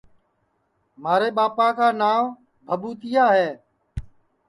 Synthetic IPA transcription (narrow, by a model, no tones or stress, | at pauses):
maːɾeːɓaːpãːkaːnaːʋ | bʱəbuːt̪ɪjaːɦɛː